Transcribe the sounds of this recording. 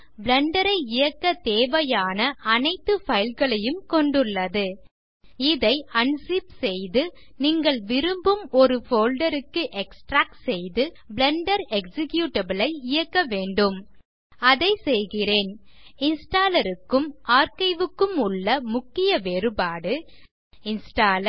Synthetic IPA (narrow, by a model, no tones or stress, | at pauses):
bɭɛɳɖɐɾɐɪɪjɐkːɐt̪eːʋɐjaːnɐʔɐnɐɪt̪ːɯfɐjɪlɣɐɭɐjɯmkɔɳɖɯɭːɐðɯ | ɪðɐɪɐɳsipsɛjðɯ | niːŋɡɐɭʋɪɾɯmbɯmɔɾɯfoːlɖɐɾɯkːɯʔɛksʈɾaːk̚ʈsɛjðɯ | bɭɛɳɖɐɾɛksɪkjuːʈːɐbɐlɐɪɪjɐkːɐʋeːɳɖɯm | ɐðɐɪsɛjɣɪreːnɪnsʈaːlɐɾɯkːɯmʔaːɾkɐɪʋɯkːɯmʊɭːɐmʊkːɪjɐʋeːɾɯbaːɽɯ | ɪnsʈaːlɐ